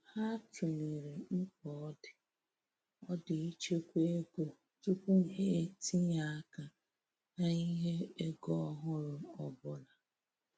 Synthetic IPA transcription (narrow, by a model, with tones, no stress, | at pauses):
ha˦tʊ˨ŋi˨ɾe˨ŋ̩˦kɔ˨ɔ˦dɪ˨ | ɔ˦dɪ˨i˦t͡ʃe˦kʷe˦e˦ɡo˨ | tu˦ko˦˨ɦe˦e˦˨ti˦ɲa˨a˦ka˨ | na˦ɲi˦ɦe˦e˦ɡɔ˦ɔ˦ɦʊ˦ɾʊ˨ɔ˨bʊ˦la˨